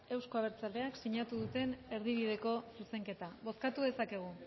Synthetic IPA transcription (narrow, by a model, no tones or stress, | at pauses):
e̞wsko̞aβ̞e̞ɾt͡sald̪e̞aksiɲat̪uðut̪e̞ne̞ɾðiβið̞e̞ko̞suse̞ŋke̞t̪aβo̞skat̪uðe̞sake̞ɣ̞u